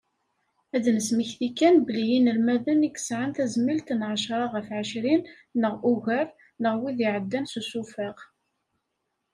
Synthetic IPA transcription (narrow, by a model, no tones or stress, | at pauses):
æðnəsməçθikːænbəlijinəlmæðənikːə̥sʕant̪æzmilt̪nʕaʃɾˤɑʁəfʕəʃɾinː | əʁuʝæɾ | nəʁwiðiʕəd̪ːænsusufaʁ